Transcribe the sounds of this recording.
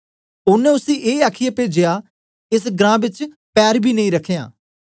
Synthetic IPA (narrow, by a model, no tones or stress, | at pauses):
ʊnẽːʊsĩːʔeːaːkʰijaːpeːd͡ʒejaː | ɪs̬ɡɾãːbɪt͡ʃ | pɛːɾbʱiːnəĩːɾəkʰeja̰ː